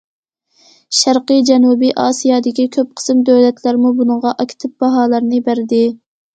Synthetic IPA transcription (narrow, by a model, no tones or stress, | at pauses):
ʃæɾqɨd͡ʒɛnubiʔɑːsijɑd̪ɪkʲikʲʰøp̚qʰə̥sɨmd̪øwlɛt̪ʰlæɾmubunəŋʁɑʔɑkʲʰt̪ʰɪp̚b̥ɑɦɑːlˠɨɾnɨbæɾd̪ɪ